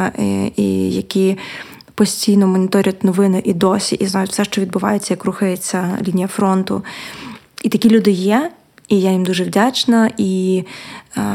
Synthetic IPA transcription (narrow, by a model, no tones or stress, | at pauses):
ḭjɐkʲi | pɔsʲtʲijnɔmɔnʲit̪ɔɾʲɐtʲnɔʋɪnɪʔid̪ɔsʲḭʔiznajʊtʲfsɛʃt͡ʃɔʋʲid̪̚bʊʋa̰jet͡sʲːɐjɐkruxɐjet͡sʲːɐlʲinʲijɐfɾɔnt̪ʊ̰ | it̪ɐkʲilʲud̪ɪjɛ | ijajimd̪uʒɛwdʲat͡ʃnɐʔi